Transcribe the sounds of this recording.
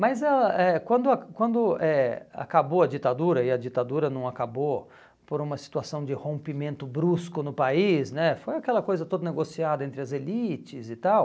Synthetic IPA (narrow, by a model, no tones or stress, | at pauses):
mɐzɛlɐʔɛkwɐ̃nd̪ʊakwɐ̃nd̪ʊɛa̰kaboɐd͡ʒit̪ad̪uɾɐɪɐd͡ʒit̪ad̪uɾɐnɐ̃w̃akabo | poɾũmɐsi̥t̪uasɐ̃w̃d͡ʒɪhõpimẽnt̪ʊbɾuskʊnʊpaisnɛfojakɛlɐkojzɐt̪od̪ɐneɡosiad̪ɐẽnt̪ɾɪɐzelit͡ʃɪzɪt̪aw